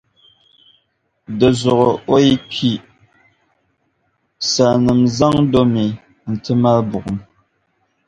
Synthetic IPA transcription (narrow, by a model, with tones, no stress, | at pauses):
də˨zɔ˨ɣo˨o˦i˦kʰi˦ | sa˨nɨ˨mza˦ŋdo˦mi˨ | n̩˨tɨ˦ma˦lbu˨ʔm